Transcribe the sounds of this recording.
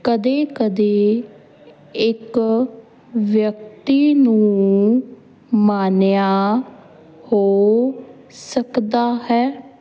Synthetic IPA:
kəd̪eːkəd̪eː | ɪk | ʋjək̚t̪iːnũː | maːnjaː | hoː | səkd̪aːhɛː

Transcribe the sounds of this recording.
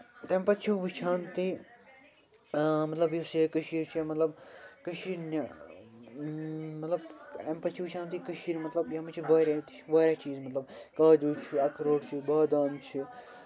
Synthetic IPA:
t̪ẽmpɐt̪t͡ʃʰuʋit͡ʃʰaːnt̪i | mɐt̪lɐbjosekəʃiːɾt͡ʃʰijemɐt̪lɐbkɐʃiɾn | mɐt̪lɐbempɐt̪t͡ʃʰiʋit͡ʃʰãːnt̪̬ikɐʃiːnmɐt̪lɐbjamɐt͡ʃʰiʋaːɾʲa | ʋaːɾat͡ʃiːzmɐt̪lɐb̚kaːd͡ʒuːt͡ʃʰiɐkɾoːʈt͡ʃʰibaːd̪aːnt͡ʃʰi

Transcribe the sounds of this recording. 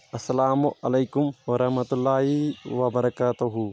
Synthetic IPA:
ʔɐsːɐlaːmʊʔɐlɐjkʊmwɐɾɐhmɐt̪ulːaːɦiwɐbɐɾɐkaːt̪uɦu

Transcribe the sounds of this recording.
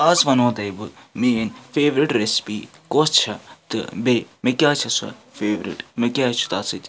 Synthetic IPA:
aːzʋɐnõːt̪ɐjbɨmeːnfeːʋɾiʈɾespiːkoːst͡ʃʰɐt̪ɨ̰beːmekjaːt͡ʃʰɐsɐ̰feːʋɾḭʈmekʲaːt͡ʃʰu̥t̪aːsɨtʲ

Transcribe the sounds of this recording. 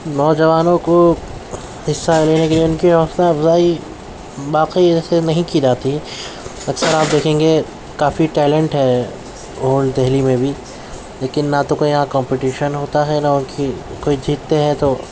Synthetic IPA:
nɔːd͡ʒɐʋaːnõko | ɦɪsːaleːnekeliʊnkiɦɔːslaɐfzaːi | ʋaːqiɛːsenɐɦĩkid͡ʒaːt̪iɦɛ | ɐksəɾaːp̚d̪eːkʰẽːŋɡe | kaːfiʈɛːlɛ̃ɳʈɦɛ | ɦoːɳd̪ɛɦlimẽbʱi | leːkɪnːat̪okoːiɦãkɔ̃ːmpɪʈiːʃənɦoːt̪aɦɛnaʊnkikoːid͡ʒʱiːt̪ːeɦɛt̪o

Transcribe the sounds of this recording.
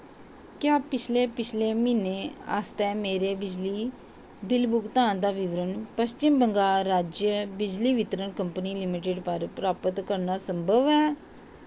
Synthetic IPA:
kjaːpɪt͡ʃʰleːpɪt͡ʃʰleːmɪneːa̰st̪ɛ̃ːmeːɾeːbɪd͡ʒliː | bɪlbʊkt̪ãːnd̪aːʋɪʋɾənpəst͡ʃɪmbəŋɡaːɾːaːd͡ʒjəbɪd͡ʒliːʋɪt̪ɾənkəmpəniːlɪmɪʈɪɖpəɾpɾaːpət̪kəɾnaːsəmbʱəʋɛː

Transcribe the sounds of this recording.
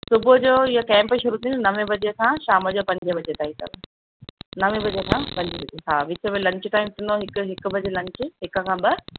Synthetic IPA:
sʊbʊd͡ʑoːɪɦokɛ̃ːmpʃʊɾut̪ʰĩnd̪nɐʋẽbɐd͡ʑekʰãːʃaːməd͡ʑoːpɐ̃ɲd͡ʑəʋɐd͡ʑet̪aːɦit̪ɐ̰ʋ | nɐʋẽbɐd͡ʑekʰãpɐ̃ɲd͡ʑəbɐd͡ʑeɦaːʋɪt͡ɕəmelɐ̃ɲt͡ɕɪʈaːɪmt̪ʰɪ̃nd̪oɦɪkʊɦɪkbʱɐd͡ʑelɐ̃ɲt͡ɕɪ̆ɦɪkə̆kʰãːbɪ

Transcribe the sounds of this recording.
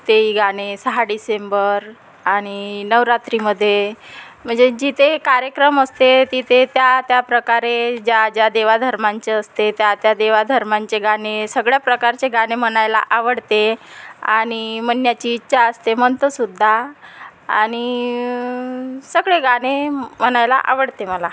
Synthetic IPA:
t̪eiɡaɽ̃esəɦaɖisembəɾ | aɽ̃inəʋɾat̪ɾiməd̪ʱːjem̤əɳd͡zed͡ʑit̪ʰekaɾjəkɾəməst̪et̪it̪ʰet̪jat̪japɾəkaɾed͡ʑad͡ʑjad̪eʋad̪ʱəɾmaɲt͡ɕeəst̪et̪jat̪jad̪eʋad̪ʱəɾmaɲt͡ɕeɡaɽ̃esəɡɭjapɾəkaɾt͡ɕeɡaɽ̃em̤əɳ̃ajla̰ʔaʋəɽt̪ea̰ɽ̃imənjat͡ɕiːtːɕaəst̪emənt̪əsud̪ʱːa | aɽ̃i | səɡɭeɡaɽ̃em̤əɽ̃ajla̰ʔa̰ʋəɽt̪eməla

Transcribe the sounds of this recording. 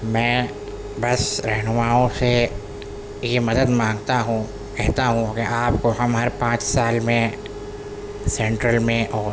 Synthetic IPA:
mɛ̃ː | bɐsɾɛɦnʊmaːõse | jemɐd̪əd̪mãːŋɡt̪aɦũ | kɛɦt̪aɦũkeʔaːpkoɦɐmɦɐɾpãːt͡ʃsaːlmẽ | sɛ̃ːɳʈɾəlmẽʔɔːɾ

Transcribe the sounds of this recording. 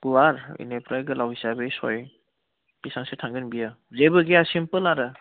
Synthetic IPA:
ɡ̥uwaɾḭnepɾajɡɯlawisabejsɔj | kisaŋsetʰaŋɡɯnbija | zebɯɡeasimpɯlaɾɯ

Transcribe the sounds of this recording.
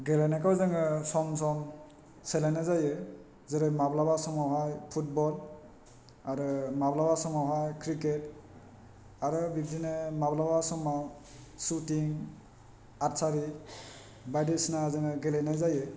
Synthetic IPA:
ɡelajnakawzɯŋɯsɔmsɔm | selajnazajɯ | zɯɾɯmablabasɔmawɦajpʰut̚bɔl | aɾɯmablabasɔmawɦajkʰɾiket | aɾɯbibdinɯmablabasɔmaw | sutiŋ | aɾsaɾi | bajdesnazɯŋɯɡelajnajzajɯ

